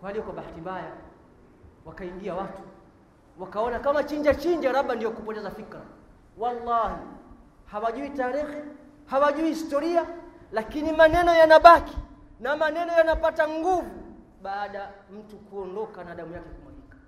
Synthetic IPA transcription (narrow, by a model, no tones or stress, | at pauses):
kwalijɔkwaɓaatibaja | wakaiŋɡiawatu̥ | wakaɔnakamat͡ʃiɲd͡ʒat͡ʃiɲd͡ʒaɾaɓandijɔkupɔtɛzafikɾa̰ | walːahi | hawaʄuitaːɾixɛ | hawaʄuihistɔɾialakinimanɛnɔjanaɓaki̥namanɛnɔjanapataŋɡuvu | ɓaːɗam̩tukuɔndɔkanaɗamujakɛkumalikḁ